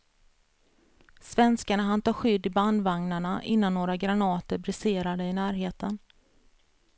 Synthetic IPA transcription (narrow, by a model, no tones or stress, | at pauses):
svɛnskaɳaɦant̪ɑːɧʏd̪ːɪband̪vaŋnaɳaʔɪnːanːoːɾaɡɾanɑːt̪əɾbɾɪseːɾad̪əɪnæːɾɦeːt̪ʰən